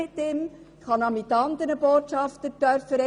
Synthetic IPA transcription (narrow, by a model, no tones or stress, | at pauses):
ɪt̪ːɪm | χɑnɑmɪt̪ːɑnd̪əɾnəb̥oːtʃɑft̪ətœɾfəɾɛ